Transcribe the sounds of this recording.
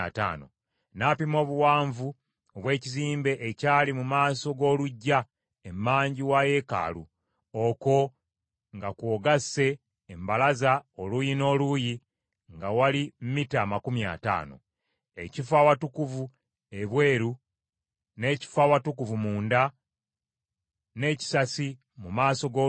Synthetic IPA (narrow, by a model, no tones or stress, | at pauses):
a̰ta̰ːno̰ | napimo̞ːβuwaːɱvu | oβwe̞ːciziːmbe̞ʔeːcaːlimumaːso̞ɡo̞ːluɟːa | emːaːɲɟiwaje̞ka̰ːlṵ | oko̞ | ŋɡakwoɡase̞ː | mbalazaolujino̞ːluji | ŋɡawalim̩mitaːmakumja̰ːta̰ːno̞̰ | e̞̰cifawatukuvu | e̞βwe̞ːɾu | ne̞ːci̥fawatukuvumuːnda | ne̞ːci̥sasi | mumaːso̞ɡo